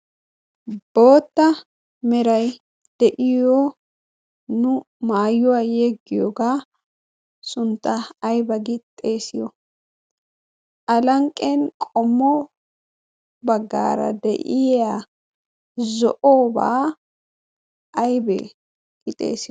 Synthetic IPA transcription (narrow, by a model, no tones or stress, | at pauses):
b̥o̞ːt̪ːɐ | mɛɾɐj | d̪̥ɛʔɪjo | nʊ | maːjʊwaːjɛɡːɪjoːɡaː | sʊnt̪ʼːɐːjbɐɡɪt̪ʼːe̞ːsɪjɔ | ʔɐlɐŋkʼːenkʼɔmːɔ | bɐɡːa̰ːɾɐ̰d̪ɛ̰ʔɪja | zɔ̰ʔoːba̰ː | ʔɐjbɛ̰ | ɡ̥ɪt̪ʼḛːsɪj